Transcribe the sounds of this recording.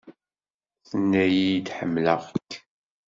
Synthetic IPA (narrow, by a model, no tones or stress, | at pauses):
θənːæjijd̪ħəmːləʁkː